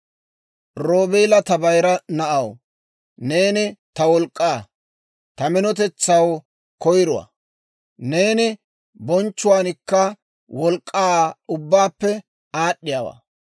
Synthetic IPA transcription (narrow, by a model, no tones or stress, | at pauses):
ɾo̞ːbeːlɐt̪ɐbɐjɾɐnɐʔɐw | ne̞ːnɪt̪ɐwɔlkʼːaː | t̪ɐmɪnɔt̪ɛt͡sːɐw | kɔjɾʊwa̰ː | ne̞ːnɪ | bɔnt͡ʃːʊwaːnɪkːɐ | wɔlkʼːaːʊbːaːpːɛ | aːɗːɪjaːwa̰ː